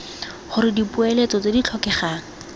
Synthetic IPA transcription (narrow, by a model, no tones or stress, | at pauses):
χʊɾɪdipuelet͡sɔt͡sedit͡ɬʰɔkɛχaːŋ̩